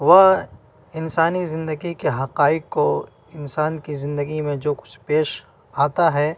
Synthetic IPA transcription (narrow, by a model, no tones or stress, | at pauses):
ʋɐ | ɪnsaːnizɪ̃nd̪əɡikeɦɐqaːɪɡko | ɪnsaːnkizɪ̃nd̪əɡimẽd͡ʒoːkʊ̥t͡ʃʰpeːʃ | aːt̪aɦɛ